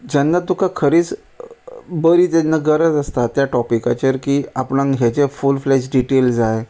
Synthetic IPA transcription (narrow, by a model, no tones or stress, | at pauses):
d͡ʑənːat̪ukakʰəɾiːt͡s | bəɾiːt̪enːəɡəɾəd͡zəst̪at̪jaʈɔpikat͡ɕəɾkiːapɳãŋɦjat͡sefulfleɕɖiʈelsaje